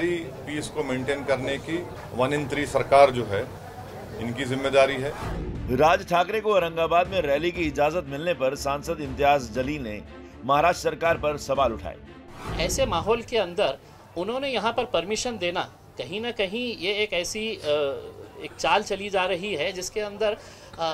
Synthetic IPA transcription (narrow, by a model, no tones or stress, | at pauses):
ɾipiːskomẽːɳʈeːnkɐɾneki | ʋɐnɪ̃nt̪ɾisɐɾkaːɾd͡ʒoːɦɛ | ɪnkizɪmːeːd̪aːɾiɦɛːɾaːd͡ʒʈʰaːkɾekoɾɐ̃ŋɡaːbaːd̪mẽɾɛːlikiɪd͡ʒaːzət̪mɪlnepɐɾsãːnsəd̪ɪ̃nt̪ɪɦaːzd͡ʒɐliːlne | mɐɦaːɾaːʃʈɾəsɐɾkaːɾpɐɾsɐʋaːlʊʈʰa̰ːḛː | ɛːsemaːɦɔːlkeɐ̃nd̪əɾ | ʊnɦõːnejɐɦãpɐɾpɐɾmɪʃənd̪eːna | kɐɦĩnɐkɐɦĩjeːkɛːsi | eːk̚t͡ʃaːlt͡ʃɐlid͡ʒaːɾɐɦiɦɛd͡ʒɪskeɐ̃nd̪əɾ